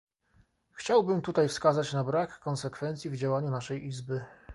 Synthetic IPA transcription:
xt͡ɕawbɘmt̪ut̪ajfskazat͡ɕnabɾakːɔnsɛkfɛnt̪sʲjivd͡ʑawaɲunaʂɛjizbɘ

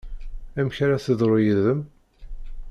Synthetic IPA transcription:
æmçɾaθəðˤɾˤojiðəm

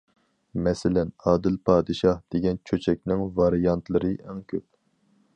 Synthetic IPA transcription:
mɛsɪlɛnɑːd̪ɪlpʰɑːd̪ɨʃɑhd̪̥eɡʲɛnt͡ʃʰøt͡ʃʰɛk̚ʲnɪŋvɑɾɨjɑnt̪ʰlˠɨɾɨʔɛŋkʲʰøp̚

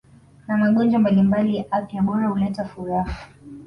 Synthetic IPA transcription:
namaɠɔnd͡ʒwambalimbalijaʔapijaɓɔɾahulɛtafuɾahau

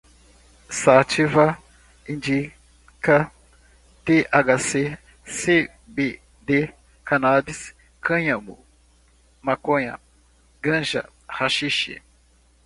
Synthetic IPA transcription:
sat͡ʃiva | ĩnd͡ʒi | kɐ | t̪eʔaɡase | se | be | d̪e | kanabis | kɐ̃ɲɐmu | makõɲɐ̰ | ɡɐ̃ʒɐ̰ | haʃiʃḭ

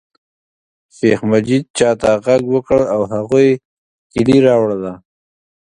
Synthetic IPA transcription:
ʃexmad͡ʒid̪̚t͡ʃɑt̪aɣaɡwəkəɽawhaɣuj | kɪliɾɑwɽd̪a

